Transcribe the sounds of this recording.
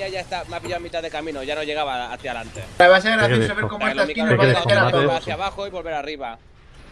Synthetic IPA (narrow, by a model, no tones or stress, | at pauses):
aʝaest̪ameapiʝawmit̪aðekamĩnoʝanoʝe̞ɣaβaːθjalant̪eeβaseɣɾaissaβekomoest̪askinoβeɾat̪oaaθjaβaxoiβo̞lβe̞ɾariβa